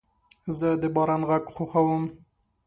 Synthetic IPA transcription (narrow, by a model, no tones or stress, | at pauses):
zəd̪əbɑɾɑnɣaɡxoxawəm